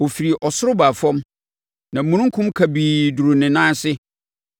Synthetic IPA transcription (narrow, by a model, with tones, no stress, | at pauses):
o˨fi˨ɾi˨ʔɔ˨sʊ˦ɾʊ˦ba˨fɔ̃˦m | nã˨mũ˨˦nũ˦ŋ˦kʰʊ̃˦mkʰa˨biː˨du˨ɾʊ˨nɪ̃˨nãː˦sɪ˦